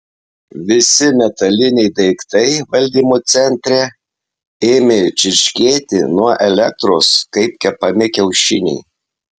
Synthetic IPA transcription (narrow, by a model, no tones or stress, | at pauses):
ʋʲɪsʲɪmʲɛt̪ɐlʲɪnʲɛɪd̪ɐɪkt̪ɐɪʋɐlʲd̪ʲiːmot̪sʲɛnʲt̪ʲɾʲɛ | eːmʲet͡ʃʲɪɾʲʃʲkʲeːt̪ʲɪnuɔʔɛlʲɛk̚t̪ɾoːskɐɪp̚kʲɛpɐmʲɪkʲɛʊʃʲɪnʲɛ̰ɪ